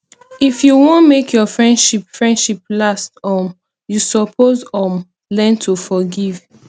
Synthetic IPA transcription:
ifjuwõnmekʰjɔfɹɛ̃ndʃipfɹɛ̃ndʃiplastɔm | jusɔpʰozɔ̃m | lɛ̃ntʰufɔɡiv̥

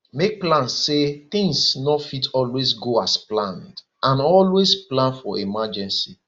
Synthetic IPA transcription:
mek̚plãnseθɪ̃ŋsnɔfitɔlwesɡoasplãnd | ãnɔlwesplãnfɔemad͡ʒɛ̃nsi

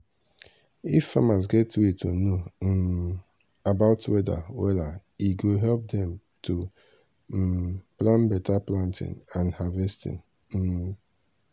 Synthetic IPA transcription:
ifːamas̬ɡɛtetʰono | abaʊtwɛda̰wɛlaiɡoɦɛlp̚dɛ̃m | tʰu | plãnbɛtaplãntɪ̰̃nãnhavɛstḭ̃n̩

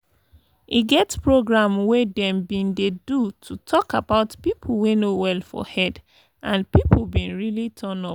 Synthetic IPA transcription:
ʔiɡɛtpɹoɡɹãmwedɛ̃mbĩndedutʰutʰɔkabaʊtpipʰl̩wenowɛlfɔ̰hɛd | ʔãnpipʰl̩bĩnɹilitʰɔnɔ

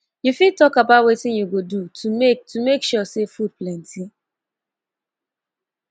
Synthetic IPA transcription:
jufid̚tɔkabaʊtwetɪ̃ŋjuɡodutʰumetumekʃusefud̚plɛ̃nti

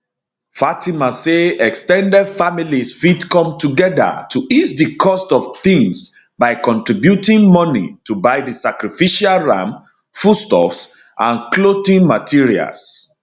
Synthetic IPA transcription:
fatimaseɛkstɛ̃ndɛdfamilisfidkɔ̃mtuɡɛðə̰tʰuʔisdəkʰɔstɔvθĩŋs | baɪkɔ̃ntɹibjutĩŋmɔnḭtʰubaɪdisakɹifiʃalɹã̰m | fustɔ̰fs | ʔãnklotĩŋmatʰiɹia̰ls

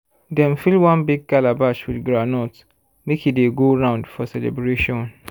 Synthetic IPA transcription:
dɛ̃nfilwãnbiɡ̚kalabat͡ʃwidɡɹanɔt | mekideɡoɹãʊ̃ndfɔsɛlɛ̰bɹeʃɔ̃n

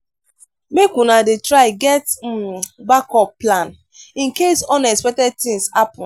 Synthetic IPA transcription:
mekunadetɹaɪɡɛt | bakɔpːlãn | ĩnkesɔ̃nɛkspɛk̚tɛd̚t̪ĩŋshapɔ̃n

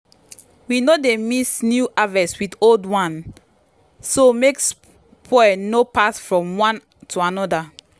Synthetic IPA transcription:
winodemisnjuʔavɛswidoldwãn | someks | pʰɔɛnopasfɹɔ̃mwãn | tʰuanɔda

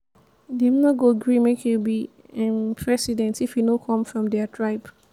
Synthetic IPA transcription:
dɛ̃mnɔɡoɡɹĩmekʰubi | ãnpʰɹɛsidɛ̃ntifjunokʰɔ̃mfɹɔ̃mdɛatʰɹaɪp

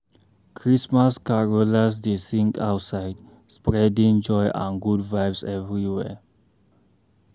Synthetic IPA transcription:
kʰɹismaskaɹolas̬disĩŋka̰ʊtsaɪjd | spɾɛdĩŋnd͡ʒɔjʔã̰nɡudvajbsɛvɹiwɛ̰

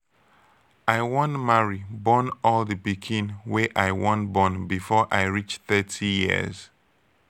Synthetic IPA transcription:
aɪwɔ̃nmaɹibɔ̃nɔlˠðəbikʰĩnweʔaɪwɔ̃nbɔ̃nbifɔʔaɪɹit͡ʃθɜtʰijḭz̥

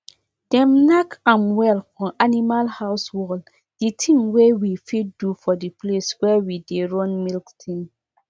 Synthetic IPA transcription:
d̥ɛ̃mnakãmwɛlfɔ̃nʔanimalhaʊswɔl | d̥itʰĩŋwewifiddufɔdipleswɛwideɹɔ̃nmilktʰĩŋ

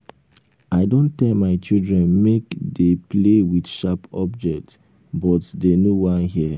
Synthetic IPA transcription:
aɪdõntɛlmaɪt͡ʃidɹɛ̃nmekdeplewidʃapɔbd͡ʒɛk̚t | bɔtdenowãnɦiə

